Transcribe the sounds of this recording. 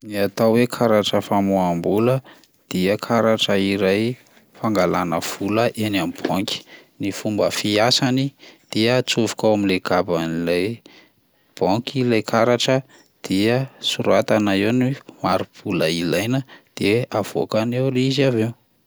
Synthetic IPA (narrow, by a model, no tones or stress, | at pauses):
niat̪awwekʰaɾaʈ͡ʂəfamuambulə | d̪̥iəkʰaɾaʈ͡ʂəiɾaj | faŋɡalanəv̥uləʔenamib̥ɔŋki̥nifumbəfiasanid̪̥iət͡suvu̥kawamileɡabanilaj | b̥ɔŋkilajkʰaɾaʈ͡ʂə | d̪̥iəsuɾat̪anaewnimaɾupʰuləilajnəd̪̥eav̥o̰kanewɾizavew